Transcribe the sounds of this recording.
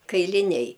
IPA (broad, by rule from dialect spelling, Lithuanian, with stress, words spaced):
kɐɪlʲɪˈnʲɛɪ